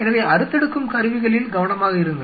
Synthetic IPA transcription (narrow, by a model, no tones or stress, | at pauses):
ɛnɐʋɐɐɾɯt̪ːɛɽɯkːɯmkɐɾɯʋɪɣɐɭɪlɡɐʋɐɳɐmaːɣɐɪɾɯŋɡɐ